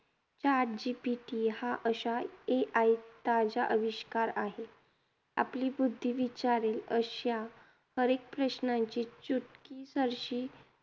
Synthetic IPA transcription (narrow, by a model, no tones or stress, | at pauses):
t͡ɕaɾd͡ʑipiʈihaʔəɕaeʔajt̪ad͡ʑaʔəʋiɕkaɾaɦe | a̰pliːbud̪ʱːiʋit͡ɕaɾeləɕja | həɾek̚pɾəɕnãɲt͡ɕiːt͡ɕuʈkisəɾɕiː